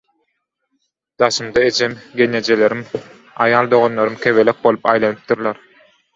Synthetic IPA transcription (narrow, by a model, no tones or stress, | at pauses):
d̪̥ɑʃɯmd̪ɑe̞d͡ʒʰemɡʲe̞nːed͡ʒele̞ɾim | ɑ̰jɑːlˠd̪o̞ʁonlˠoɾɯmkʲʰe̞βe̞lek̚bo̞lˠupɑjlˠɑnɯp̚d̪ɯɾlˠɑɾ